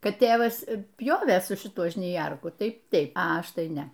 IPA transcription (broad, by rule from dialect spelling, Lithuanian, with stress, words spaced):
ˈkɐt ˈtʲeːʋɐs ˈpʲjoːʋʲeː sʊ ʃʲɪˈtʊ ʒʲnʲɪˈjɛrkʊ ˈtɐɪ ˈtʲɛɪp ɐ ˈɐʃ ˈtɐɪ ˈnʲɛ